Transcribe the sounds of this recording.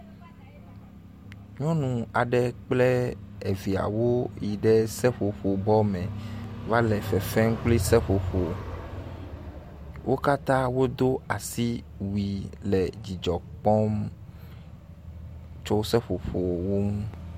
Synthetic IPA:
ɲɔ̃˦nũ˨a˨ɖɛ˦k͡plɛ˦e˨vi˨a̰˨wo˦ji˨ɖɛ˦sɛ˦ɸo˨ɸo˨bɔ˦mɛ̃˨va˦lɛ˨fɛ˨fɛ˦ŋ̩˦k͡pli˦sɛ˦ɸo˨ɸo˨ | wʔo˦ka˦t̪ã˦wo˦d̪o˦a˨si˦ | wi˨lɛ˨d͡ʑi˨d͡ʒɔ˨k͡pɔ˦m | t͡ʃɔ˦sɛ˦ɸo˨ɸo˨wo˦m˦

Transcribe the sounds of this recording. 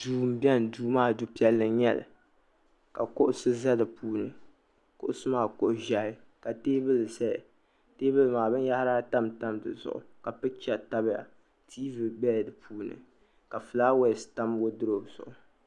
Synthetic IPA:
duː˨m̩˦bɛ˦n˨duː˦maː˦du˦pi˦ɛ˦lːɨ˨ɲɛ˦lɨ̰˨ | ka˨kʊ˦ʔʊ˦sɨ˦za˦dɨ˨puː˦nɨ˨ | kʊ˦ʔʊ˦sɨ˦maː˦˨kʊ˨ʔʊ˨ʒa˨hɪ˦ | ka˨teː˦bɨ˦lɨ˨sɛ̰˦˨ | teː˦bɨ˦lɨ˨maː˨bɨ˦n˦ja˦hɾaː˦ta˦mta˦mdɨ˨zʊ̰˨ʔʊ̰˨ka˨pɨ˦t͡ʃɛ˦˨ta˦bja̰˨ | tʰiː˦vɨ˨bɛ˦˨dɨ˨pʰuː˦nɨ̰˨ | ka˨fɨ˨laː˦wɛ˦˨sta˦mwo˦dɨ˦ɾo˨zʊ̰˨ʔʊ˨

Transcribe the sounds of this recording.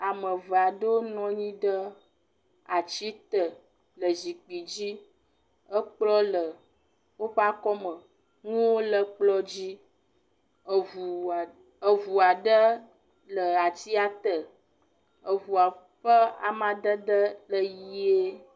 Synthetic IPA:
a˨mə˨və˨a˨ɖə˦wo˦nɔ̃˦ɲĩ˦ɖə˦ | a˨t͡ɕi˦t̪ə˨ | lə˨zi˨k͡pi˨d͡ʑi˦ | ə˦k͡plɔ˦lə˨ | wo˦ɸa˦kɔ˦mə˨ | ŋũ˦wo˦lə˦k͡plɔ˦d͡ʑi˦ | u˨ | ə˨vu˨a˨ɖə˦ | lə˨a˨ti˦a˨t̪ə˨ | ə˨vu˨a˨ | ɸə˦a̰˨mã˨d̪ə˦d̪ə˦lə˦ji˦e˦

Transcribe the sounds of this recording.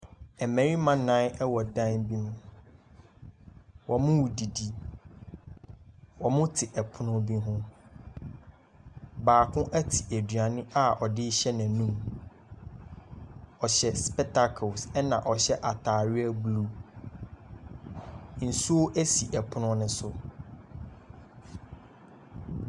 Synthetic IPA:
ɛ˨mɛ̃˨ɾĩ˦mã˦nã˦nɛ˦wɔ˨dã˦nbi˦nʊ̃˦ | wɔ˨mʊ̃˦wu˨di˨di˦ | wɔ˨mʊ̃˦tʰɪ˨ʔɛ˨pʰʊ˦nʊ̃˦bi˦ɦʊ̃˦ | baː˨kʰʊ̃˦ʔæ˦tʰi˨ʔæ˨dɥa˨nɪ̃˦a˦ɔ˨dɪ˦ɕɛ˦nã˨nũ˦m | ɔ˨ɕɛ˨spɛ˦tʰa˦kʰo˨sɛ˦nã˨ʔɔ˨ɕɛ˦ʔa˨tʰaː˨ɥɪ˦æ˦bu˨lu˦ | n̩˨su˦o˦ʔæ˦si˨ʔɛ˨pʰʊ˦nʊ̃˦nʊ̃˦sʊ˨

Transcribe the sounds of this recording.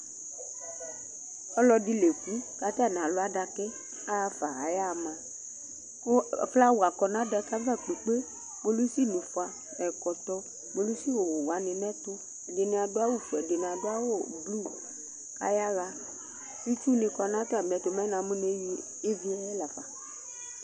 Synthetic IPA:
ɔ˦lɔ˧di˧le˨ku˨˦ka˨˦ta˦˨nã˨lʊ˦a˦da˧kɛ˦ | a˦˧fa˨a̰˨ja˦˨mã˨˦˨ | fla˦wu˨a˨kɔ˨nã˦da˧ka˦va˦˨k͡pe˨k͡pe˦ | mo˧lu˦si˦˨nũ˨fa˧ | mɛ˨kɔ˨tɔ˧ | mo˧lu˦si˦wo˨wo˨wa˨˦nɪ̃˧mɛ˦tʊ˧˨ | dɪ˨ni˨˧˨a˧dʊ˦a˦wu˦˨fɛ˨de˨n˨a˨dʊ˦a˦wo˦˨blu˦˨ | ka̰˨ja˦ɣa˧ | i˦t͡ʃu˦nĩ˧kɔ˧nã˦ta˦˨m˨ɛ˨tʊ˧mɛ˦nã˨˦mũ˦n˦e˦i˧ | e˦vi˦ɛ˦ɛ˦la˨fa˨

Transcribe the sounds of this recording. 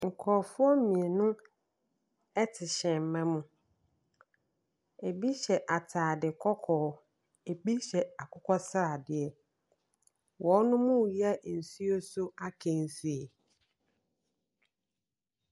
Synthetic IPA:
ŋ̩˨kʰɔː˨fʊ˦ɔ˦mĩ˨e˨nʊ̃˦ | ɛ˦tʰɪ˨ɕɛ̃˨m̩˨mã˦mũ˨ | e˨bi˦ɕɛ˨ʔa˨tʰaː˨dɪ˨kʰɔ˦kʰɔː˨˦ | e˨bi˦ɕɛ˨a˨kʰʊ˦kʰɔ˦sɾa˨dɪ˨ɛ˨ | wʔɔ˨˦nʊ̃˦mũ˦˨jɛ˦˨n̩˨su˦o˦sʊ˦a˦kʰɛ̃˨n̩˨su˦e˨

